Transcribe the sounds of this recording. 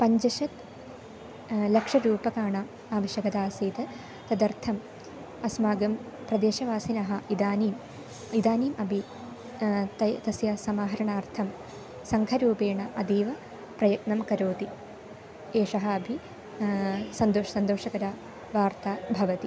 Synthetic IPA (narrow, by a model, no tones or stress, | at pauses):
pɐɲd͡ʑɐʂɐt̪ | lɐkʂɐɾuːbɐkaːɳam | aːʋɐɕjɐɡɐd̪aːsiːt̪ɨ | t̪ɐd̪ɐrt̪ʰɐm | ɐsmaːɡɐm | prɐd̪eːʃɐʋaːsinɐɦɐʔid̪aːniːm | id̪aːniːmʔɐbʱi | t̪ɐt̪ɐsjɐsɐmaːɦɐɾɐɳaːrt̪ʰɐm | sɐŋkʰɐɾuːbeːɳɐʔɐd̪iːʋɐ | prɐjɐk̪nɐmkɐɾoːt̪i | eːʂɐɦɐɐbʱi | sɐnd̪oːʂɐsɐnd̪oːʂɐɡɐɾaː | ʋaːrt̪aːbʱɐʋɐt̪i